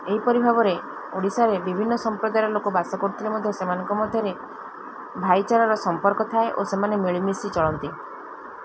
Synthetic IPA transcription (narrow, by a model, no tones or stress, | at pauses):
eɦipɔɾibʱabɔɾe | oɽisaɾebibʱinːɔsɔmpɾɔd̪ajɾɔlokɔbasɔkɔɾut̪ʰilemɔd̪ʱjɔsemanɔŋkɔmɔd̪ʱjɔɾe | bʱajt͡ʃaɾaɾɔsɔmpɔɾkɔt̪ʰaeʔosemanemiɭimisit͡ʃɔɭɔnt̪i